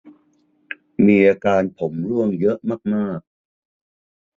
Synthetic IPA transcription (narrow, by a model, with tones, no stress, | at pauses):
miː˧ʔaː˧kaː˧npʰo˩˦mɾu˥˩əŋjɤ˦˥ʔmaː˥˩k̚maː˥˩k̚